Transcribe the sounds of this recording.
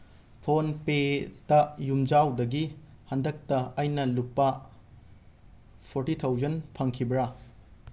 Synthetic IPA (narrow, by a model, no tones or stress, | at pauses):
pʰonpetɐjumd͡ʒawdɐɡi | hɐndɐk̚tɐɐjnɐlupːɐ | pʰoɾtit̪ʰawzɐnpʰɐŋkʰibɾɐ